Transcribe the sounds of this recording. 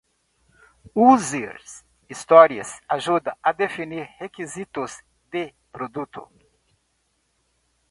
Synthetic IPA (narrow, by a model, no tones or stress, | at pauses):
uzeɾs | ist̪ɔɾiɐ̰saʒud̪ɐɐd̪efiniɾhekizit̪ʊz | d̪ɪ | pɾod̪ut̪ʊ̰